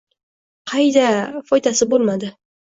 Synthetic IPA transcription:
qʰɑjd̪afɒjd̪asɪbolˠmad̪ɪ

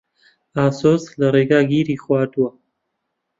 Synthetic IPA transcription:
aːsoːslɐɾeːɡaːɡiːɾiːxwaːd̪uwa

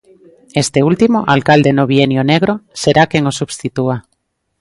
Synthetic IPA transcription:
est̪eult̪imoʔalkald̪enoβ̞ienjoneɣ̞ɾoseɾakeŋosuβst̪it̪ua

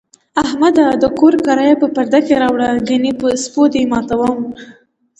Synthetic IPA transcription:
ahmad̪ad̪əkoɾkaɾɑjapəpaɾd̪akeɾɑwɽaɡanipəspod̪emɑt̪awəm

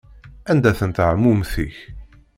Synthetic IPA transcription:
ænd̪æθənt̪ʕmːumθḭç

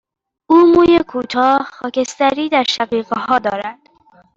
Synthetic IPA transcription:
ʔuːmuːjekʰuːt̪ʰɒːxɒːce̞st̪æɾiːd̪æɾʃæɣiːɣehɒːd̪ɒːɾæd̪̥

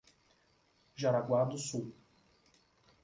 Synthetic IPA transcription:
ʒaɾaɡwad̪ʊsuw

